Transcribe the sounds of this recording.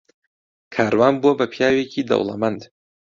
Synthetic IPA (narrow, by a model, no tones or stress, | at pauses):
kʰaːɾwaːnbuɐbɐpʰijaːwekʰiːd̪ɐ̰wlˠɐ̰mand̪